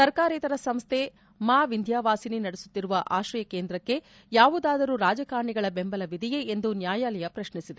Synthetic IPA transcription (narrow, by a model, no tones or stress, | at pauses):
sɐɾkaːɾiːt̪ɐɾɐsɐmst̪ʰe̞ | maːʋind̪ʱjaːʋaːsininɐɽesu̥t̪ːiɾuʋɐʔa̰ːʃɾɐjɐkeːnd̪ɾɐkːe̞ | jaːʋud̪aːd̪ɐɾuːɾaːd͡ʒɐkaːɾɳiɡɐɭɐbe̞mbɐlɐʋid̪ʱijeend̪unjaːjaːlɛjɐpɾɐʃɳisid̪e